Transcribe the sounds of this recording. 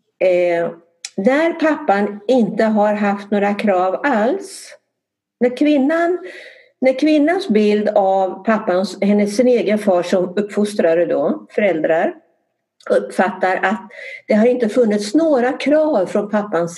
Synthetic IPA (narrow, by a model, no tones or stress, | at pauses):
næɾpʰapːanɪnt̪əɦaɾɦaft̪noːɾakʰɾɑːvals | næɾkʰvɪnːanː | æɾkʰvɪnːansbɪld̪avpʰapːanshɛnːəsːɪneːɡənfɑːʂɔmɵpːfʊst̪ɾaɾəd̪ofœɾɛld̪ɾaɾ | ɵpːfat̪ːaɾʔat̪̚d̪̥ɛɦaɾɪnt̪əfɵnːɪt̪snoːɾakʰɾɑːvfɾɔnpʰapːans